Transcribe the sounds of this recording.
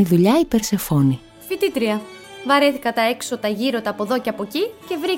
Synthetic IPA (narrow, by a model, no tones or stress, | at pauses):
iðuʎɐipe̞ɾse̞fo̞ni | fit̪it̪ɾiɐ | vɐɾe̞θikɐt̪ɐe̞kso̞t̪ɐʝiɾo̞t̪ɐːpo̞ðo̞ce̞ɐpo̞cice̞vɾi